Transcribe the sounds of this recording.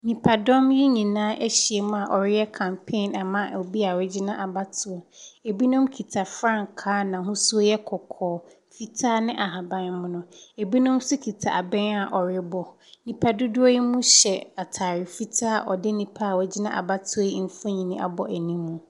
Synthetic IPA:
nĩ˨pʰa˨dɔ˦mji˦ɲĩ˨nãː˦ʔɛ˦ɕi˨e˨mʊ̃˦a˨ʔɔ˨ɾɪ˦jɛ˦kʰã˨mpʰẽ˦˨na˨mã˦ʔo˨bi˦a˨wɛ˨d͡ʑi˦nã˦ʔa˨ba˦tʰʊ˦ɔ˨e˨bi˦nʊ̃˦mkʰi˨tʰa˨fɾã˦˨ŋkʰaː˦nã˨ɦʊ̃˦su˦ɔ˦jɛ˦kʰɔ˨kʰɔː˨ | fi˦tʰaː˦nɪ̃˦ʔa˨ɦa˨bã˦˨nmʊ̃˦nʊ̃˦˨e˨bi˦nʊ̃˦msʊ˦kʰi˨tʰa̰˨a̰˨bɛ̃˦na˨ʔɔ˨ɾɪ˦bɔ˨ | nĩ˨pʰa˨dʊ˦dʊ˦ɔ˦ji˦mũ˦ɕɛ˨a˨tʰaː˨ɾɪ˨fi˦tʰaː˦ʔɔ˨dɪ˦nĩ˨pʰa˦˨wɛ˨d͡ʑɪ˦nã˦ʔa̰˨ba˦tʰʊ˦ɔ˦ji˦m̩˨fõ˦ɲĩ˨nĩ˦ʔa̰˨bɔ˨ʔæ˨nĩ˦mũ˨

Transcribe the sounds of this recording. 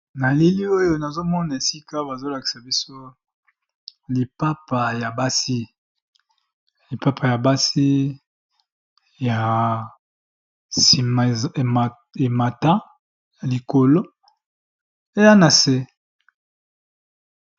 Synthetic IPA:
na˨li˦li˦o˦jo˦na˨zo˦mɔ˦na˨e˨si˦ka˦ba˨zo˦la˨ki̥˨sa˨bi˦so˦ | li˨pa˦pa˨ja˨ba˦si˦ | li˨pa˦pʰa˨ja˨ba˦si˦ | ja˨ | si˨ma˨m˨ | e˨ma˨ta˦ | ja˨li˨ko˨lo˦ | e˦ja˦na˨se˦

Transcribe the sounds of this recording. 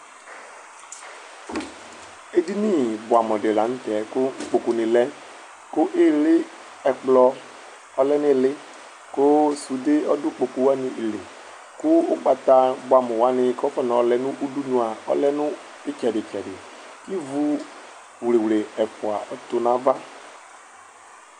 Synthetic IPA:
e˨di˦ni˦bʊ˨a˨mɔ˨dɪ˨la˨˦n̩˦t̪ɛ˨˦kʊ˦ŋ̩˦k͡po˨ku˨nɪ̃˨lɛ˦ | kʊ˦ʔɪ˦lɪ˦ | ɛ˨k͡plɔ˦ | ɔ˦lɛ˦nɪ˦˨lɪ˦ | kʊ˦su˨de˦ɔ˦dʊ˦k͡po˨ku˨wa˦nɪ̃˨ʔi˨le˨ | kʊ˦ʊ˦k͡pa˨t̪a˦bʊ˨˦a˨mʊ̃˨wa˦nɪ˨˦kɔ˦fɛ˦nɔ˨ɔ˨lɛ˨nʊ̃˦ʔu˦du˦nũ˨a˨ɔ̰˦lɛ˦nʊ̃˦ | ɪ˦t͡ʃɛ˨dɪ˨t͡ʃɛ˨dɪ˨ | ki˦vu˦ | wle˨wle˨ɛ˨fʊ˨a̰˨ʔɔ˨t̪ʊ˦nã˨˦va˦

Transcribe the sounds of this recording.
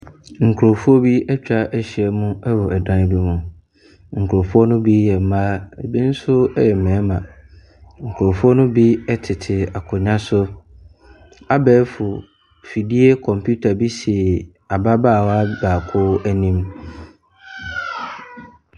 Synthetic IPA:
ŋ̩˨kʰɾo˨fu˦ɔ˦bi˦ɛ˦t͡ɕᶣa˦ʔɛ˦ɕɪ˨ɛ˦mʊ̃˦ɛ˦wʊ˨ɛ˨dã˦n˦bi˦mʊ̃˨ | ŋ̩˨kʰʊ˨ɾo˨fu˦ɔ˦nʊ̃˦bi˦jɛ˨m̩˦maː˦e˨bĩ˦n̩˦sʊ˦ɛ˦jɛ˨m̩˨mɛ̃˨˦mã˨ | ŋ̩˨kʰʊ˨ɾo˨fu˦ɔ˦nʊ̃˦bi˦ɛ˦tʰɪ˨tʰɪ˨a˨kʰʊ˨ɲã˦sʊ˦ | a˦bɛː˦fʊ˨ | fi˨di˦e˦kʰɔ̃˨mpʰu˦tʰa˨bi˦si˨ɛ˨ | a˨ba˦baː˦˨wa˦baː˨kʰʊ˦æ˦nĩ˦m

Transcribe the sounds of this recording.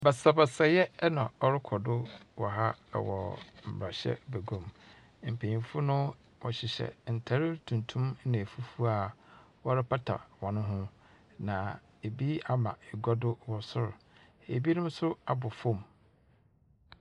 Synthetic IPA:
bɛ˨sa˨bɛ˨sɛ˨jɛ˦nã˨ɔ˦ɾɪ˦kʰɔ˨dʊ˦wɔ˨ɦa̰˦˨wɔ̰˨m̩˨bɾa˨ɕɛ̰˦bæ˨ɡõ˨m | m̩˨pʰẽ˨ɲĩ˨fʊ˦nʊ̃˦ | wɔ˨ɕɪ˨ɕɛ̰˨n̩˨tʰa˨ɾɪ˦tʰũ˨ntʰũ˦m˦nã˨fu˦fu˦a˦˨ | wɔ˦ɾɪ˦pʰa˦tʰa̰˨wɔ̃˨nʊ̃˦ɦʊ̃˦ | nã˨ | e˨bi˦a˦mã̰˨ɛ˨ɡa˦dʊ˦wɔ˨sʊ˦ɾʊ˨ | ḛ˨bi˦nʊ̃˦m˦sʊ˦ʊ˦a˨bʊ˨fɔ̃˦˨m

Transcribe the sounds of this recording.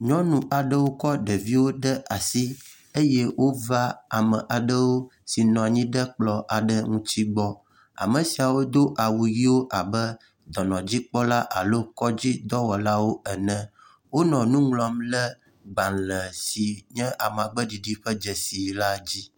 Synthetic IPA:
ɲɔ̃˦nũ˨ʔa˨ɖə˦wo˦kɔ˦ɖə˨vi˦wo˦ɖə˦ʔa˨si˦ | e˦jɛ˦wʔo˦va˦a˨mə̃˨ʔa˨ɖə˦wo˦si˨nɔ̃˨a˨ɲĩ˦ɖə˦k͡plɔ˦ʔa˨ɖə˦ŋũ˦t͡ɕi˦ɡ͡bɔ˦ | a̰˨mə̃˨si˨a˨wo˦d̪o˦ʔa˨wu˨ji˦wo˦ʔa˨bə˦ | d̪ɔ˨nɔ̃˨d͡ʑi˦k͡pɔ˦la˦ʔa˨lo˦kɔ˦d͡ʑi˦d̪ɔ˦wɔ˨la˦wo˦ɛ˨nɛ̃˦ | wo˦nɔ̃˨nũ˦ŋlɔ˨mlə˦ | ɡ͡ba˨nlə˨si˨ɲɛ̃˦ʔa˨m˨a˨ɡ͡bə˦ɖi˨ɖi˦ɸə˦d͡ʒɛ˨si˨la˦d͡ʑi˦

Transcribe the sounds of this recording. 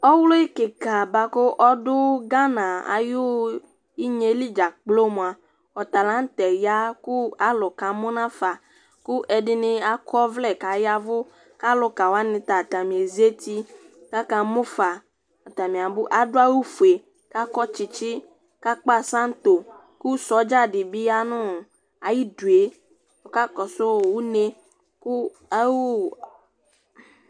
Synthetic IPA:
ɔ˦wlo˦i˦kɪ˨ka˨ba˨kʊ˦ʔɔ˦dʊ˦ɡa˦nã˨a̰˨jʊ˦ | i˦ɲe˨˦li˦d͡ʒa˨k͡plo˦mũ˨a˨ | ɔ˨t̪a˨lã˨˦n̩˦t̪ɛ˨ja˦kʊ˦a˦lʊ˨ka˨mʊ˦nã˦fa˨ | kʊ˦ʔɛ˨dɪ˦nɪ˦a˨kɔ˦vlɛ˦˨ka˨ja˦vʊ˦ | ka˦lʊ˨ka˨wa˦nɪ̃˨t̪a˨t̪a˨mĩ˨e˨zi˦e˦t̪i˦ | ka˦ka˨mʊ̃˦fa˨ | a˨t̪a˨mĩ˨a˨bʊ˦ʔa˨ɖʊ˦a˦wu˦fu˨e˨ | ka˦kɔ˦t͡ʃi˨t͡ʃi˦ | ka˦k͡pa˦sã˦n˦t̪o˨ | ku˦sɔ˨˦d͡ʒa˦ɖɪ˨bi˦a˦nʊ̃˦˨ | a˨ji˦du˨e˨ | wo˨˦ka˦kɔ˨sʊ˦˨wu˦ne˦ | ku˦ | a˦wu˦˨

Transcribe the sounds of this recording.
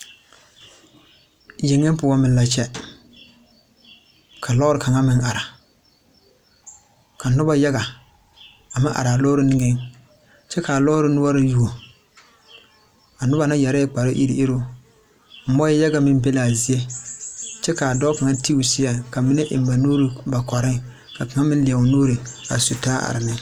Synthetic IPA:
je˨ŋe˦m˦pʊ˨wa˦mɪ˨la˨t͡ʃɛ˦ | kʰa˨lɔː˦ɾɪ˨kʰa˨ŋa˦mɪ˦ŋʔa˨ɾa˨ | kʰa˨nʊ˦ba˦ja˦ɡa˨ | a˨ma˦ʔa̰˨ɾa˨lɔː˦ɾɪ˦nɪ˦ŋe˦ŋ | t͡ʃɛ˦ka˨lɔ˦ɾɪ˦nʊ˦a˦ɾɪ˦ju˨o˨ | a˨nʊ˦ba˨˦na˦ja˨ɾɛ˦k͡pa˨ɾɪ˦ʔḭ˦ɾḭ˦ʔɪ˦ɾo˦ | m̩˦mɔ˦ja˦ɡa˨mɪ˦m˦be˦la˨zi˨e˦ | t͡ʃɛ˦ka˨dɔː˦ka˨ŋa˦ti˦u˨sɪ˦a˨ka˨mi˦ne˦ʔɪ̰˨m˦ba˨noː˦ɾi˨ba˨kɔ˨ɾɪ˦ŋ | ka˨ka˨ŋa˦mɪ˦n˦lɪ˨a˨wʊ˨noː˦ɾi˨a̰˨su˨ta˦ʔa̰˨ɾɪ˨nɪ˦

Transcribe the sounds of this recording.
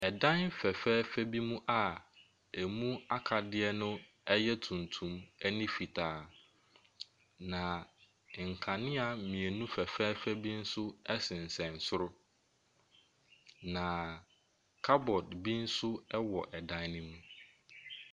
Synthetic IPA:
ɛ˨dã˦nfɛ˨fɛː˦fæ˦bi˦mũ˦ʔa˨ | ɛ˨mũ˦a˦kʰa˨dɪ˦ɛ˦nʊ̃˦ | ɛ˦jɛ˦tʰũ˨ntʰũ˨mɛ˦nĩ˦fi˨tʰaː˨ | nã˨ | ŋ̩˨kʰã˨nɪ̃˦a˨mĩ˨e˨nũ˦fɛ˨fɛː˦fæ˦bi˦n̩˦sʊ˦ɛ˦sɪ̃˨n̩˨sɛ̃˨n̩˨sʊ˦ɾʊ˦ | nã˨ | kʰa˦bɔ˨dbi˦n̩˦sʊ˦ɛ˦wɔ˨ʔɛ˨dã˦nnɪ̃˦mũ˦

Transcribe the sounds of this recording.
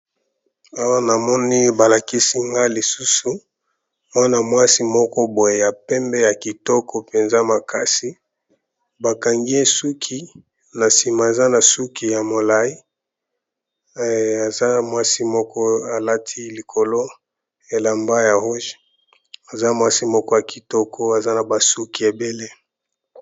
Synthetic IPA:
a˦wa˦na˨mɔ˦ni˦ba˨la˨ki˦si˦ŋɡa˦li˨su˦su˨ | mwa˦na˨mwa˦si˦mɔ˦kɔ˦bo˨je˨ja˨pɛ˦mbɛ˦ja˨ki˨tɔ˦kɔ˦pe˨nza˦ma˨kʰa˦si˦ | ba˨ka˨ŋɡi˦e˦su˦kʰi˦ | na˨si˨ma˨e˨za˦na˨su˦ki˨ja˨mo˨la˦i˦˨ | a˨za˦mwa˦si˦mɔ˦kɔ˦a˨la˦tʰi˦li˨kʰo˨lo˦ | e˨la˨mba˦ja˨ho˦ʒ | a˨za˦mwa˦si˦mɔ˦kɔ˦ja˨ki˨tɔ˦kʰɔ˦a˨za˦na˨ba˨su˦ki˨e˨be˦le˦

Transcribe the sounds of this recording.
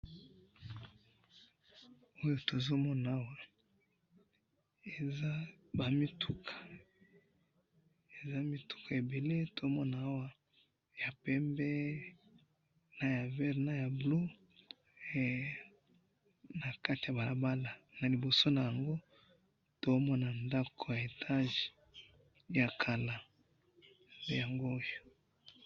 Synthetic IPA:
o˦jo˦to˨zo˦mɔ˦na˨a˦wa˨ | e˨za˦ba˨mi˦tu˦kʰḁ˨ | e˨za˦mi˦tu̥˦ka˨e˨be˨le˦to˨mɔ˦na˨a˦wa˦ | ja˨pɛ˦mbɛ˦ | na˦ja˨vɛ˦ʁna˦ja˨blo˦˨ | na˨ka˦ti˨a˨ba˨la˨ba˦la˨na˨li˨bo˨so˦na˨ja˨ŋɡo˦ | to˨˦mɔ˦na˨nda˦kʰo˨ja˨e˨tʰa˦ʒe̥˨ | ja˨kʰa˨la˨ | be˦ja˨ŋɡoː˦jo˨

